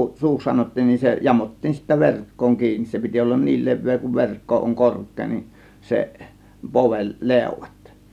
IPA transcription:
suːks sɑnotːiːn nin se jɑmotːiːn sitːæ ʋerkːoːŋ kiːnis se piti olːɑn niːl le̞ʋːeː kuʋ ʋe̞rkːo oŋ korkˑeː nin seʔ poʋel leˑŭ̞ʋɑt

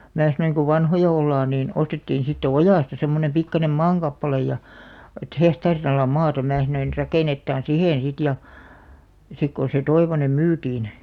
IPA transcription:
mæː sɑnoiŋ ko ʋɑnhojɑ olːɑːn niːn ostetːiːn̞ sitːe ojɑˑstɑ semːonem pikːɑnem mɑːŋkɑpːɑlej jɑ et hehtɑːrin ɑlɑ mɑːtɑ mæː sɑnoin rɑkeˑnetːɑːn siheˑn sit jɑ sik kon̞ se toiʋonem myːtiːn

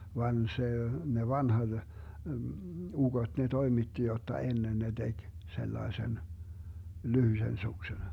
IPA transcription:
ʋɑn se ne ʋɑnhɑt uɡ̊ot ne toimitːi jotːɑ enːen ne d̥eɡ̊ selːɑesen lyhysen suksen

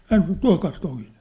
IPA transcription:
hæn sɑ̆n̞̆ ĕt tuɑ̝kɑːs toin̥e̥n̥

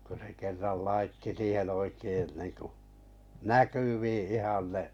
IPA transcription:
ko se kerːɑl lɑitːi siːhen oikein niŋku nækyʋiː ihɑn ne

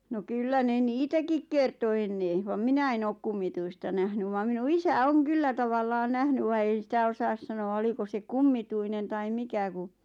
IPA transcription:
no kylːæ ne niːtækik kerto enːe ʋɑm minæ en oːk kumːituistɑ næhny ʋɑm minu isæ oŋ kylːæ tɑʋɑlːɑːn næhny ʋɑ ei sitæ osɑːs sɑnoɑ oliko se kumːituinen tɑi mikæ ku

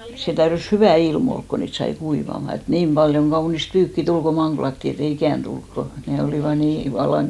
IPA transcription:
se tæyrys hyʋæˑ ilm olk ko niːt sɑi kuiʋɑmɑ et niːm pɑljoŋ ɡ̊ɑunist pyːkːi tul ko mɑŋɡ̊lɑtːi et ei ikæˑnt tulk ko ne oliˑʋɑ niː ʋɑlːɑŋ

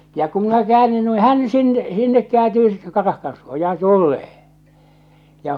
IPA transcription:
jɑ ku minæ kĕæːnːyn nui hæn sin sinːek kĕæːntyː sitːe̥ kɑrɑhkɑn suojɑɑn tulːeː jɑ

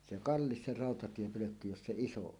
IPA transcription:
se kɑlːis se rɑˑotɑtiepøløkːy jos se iso on

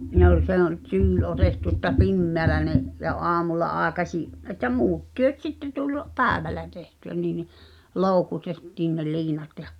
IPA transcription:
ne ol se ol tyːl otetːu ĕtːæ pimːeælæ neʔ jɑ ʔoɑmulːɑ ʔɑːĕkɑsʲiʔ ʔetˑæ muːt tyøt sitːe tulʲ pæːʋælːæ tehtyæ niː ni loˑu̞kutetːiːn ne liːnɑt jɑ̥

